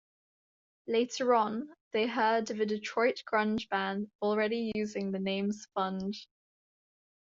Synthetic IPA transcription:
leɪtʰəɹə̃nðeɪɦɜːdəvɪdɪtʰɹ̥ɔɪʔɡ̥ɹʌ̃nd͡ʒbãndɔlˠɹɛɾijʉːzɪ̃ŋðənẽɪ̃mz̥fʌ̃nd̥

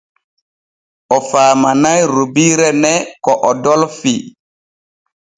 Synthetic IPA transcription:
ʔɔfaːmanajɾubiɾɛnɛkɔʔɔdɔlfi

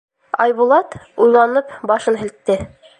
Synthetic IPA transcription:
ɑjβulˠɑt̪ujlˠɑnɤpbɑʃɤnɦɘ̆lt̪ːɘ

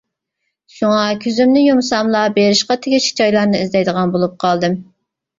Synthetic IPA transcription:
ʃuŋɑkʲʰøzymnɪjomsɑmlˠɑbeɾɪʃqɑt̪ʰɪɡʲɪʃʰi̥t͡ʃɑjlˠɑɾnɨizd̪ɛjd̪əʁɑnbolˠup̚qʰɑlˠd̪ɨm

